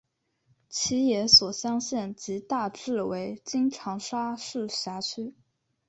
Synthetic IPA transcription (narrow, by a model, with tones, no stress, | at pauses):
t͡ɕʰi˧˥jɛ˧˥swɔ˨˩ɕjɑ˥ŋɕɛ˥˩nt͡ɕi˧˥t̪a˥˧ʈ͡ʂɻ̩˥˩we˧˥ɪt͡ɕi˥ŋʈ͡ʂʰɑ˧˥ŋʂa˥ʂɻ̩˥˩ɕja˧˥t͡ɕʰy˥